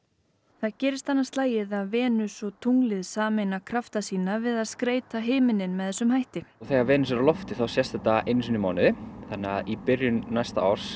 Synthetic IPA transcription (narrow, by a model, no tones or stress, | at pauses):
θaðcɛːɾɪst̪anːast̪laːjɪðaðvɛːnʏsvɔt̪ʰuŋlɪðsaːmenakʰɾaft̪asiːnavɪðaðskɾeːjt̪aɦɪːmɪnɪnmɛðθɛsːʏmɦajht̪ɪθɛɣavɛːnɪsɛɾalɔft̪ɪθawsjɛst̪ɛt̪ːaʔejnsinɪmaːwnɪðɪθanːɛaðipɪrjʏnnajst̪aa̰wɾ̥s